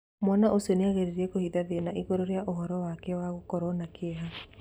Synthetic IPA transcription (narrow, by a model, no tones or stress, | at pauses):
mwɔnaʔoseneaɣeɾiɾiɛkohiðaðenaʔiɣoɾɔɾjaʔoɦɔɾɔwakɛwaɣokɔɾɔnakeɛɦa